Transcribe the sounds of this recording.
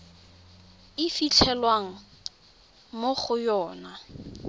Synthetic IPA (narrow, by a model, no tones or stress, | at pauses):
ɪfit͡ɬʰɛlwaŋ̩ | moχʊjɔːna